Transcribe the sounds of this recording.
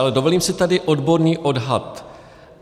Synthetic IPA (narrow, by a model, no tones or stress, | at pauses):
lɛdovo̞liːmsɪt̪adɪʔo̞dbo̞ɾɲiːʔo̞dɦat̪